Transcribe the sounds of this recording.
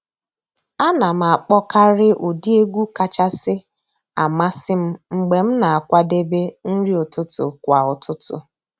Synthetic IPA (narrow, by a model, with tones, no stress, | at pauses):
a˦na˨m̩˨a˨k͡pɔ˦ka˦ɾɪ˦ʔu˨di˦e˦ɡʷu˦ka˨t͡ʃa˦sɪ˦ | a̰˨ma˦sɪ˦m̩˦ŋ͡m̩˨ɡ͡be˨m̩˦na˨a˨kʷa˦de˦be˦n̩˦ɾi˦o˨tʊ˦tʊ̰˨kʷa˨ʊ˨tʰʊ˦tʊ̰˨